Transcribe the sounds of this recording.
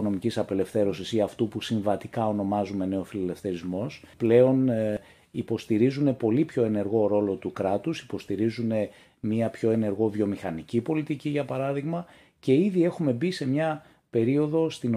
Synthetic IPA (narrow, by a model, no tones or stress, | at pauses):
ono̞micisɐpe̞lefθe̞ɾo̞sisiɐft̪upusiɱvɐt̪ikɐo̞no̞mɐzume̞ne̞o̞filele̞fθe̞ɾizmo̞sple̞o̞n | ipo̞st̪iɾizune̞po̞lipço̞e̞ne̞ɾɣo̞ɾo̞lo̞t̪ukɾɐt̪usi̥po̞st̪iɾizune̞ | miɐpço̞e̞ne̞ɾɣo̞vjo̞mixɐnicipo̞lit̪iciʝɐpɐɾɐðiɣmɐ | ce̞iðie̞xume̞bise̞mɲɐ | pe̞ɾio̞ðo̞st̪in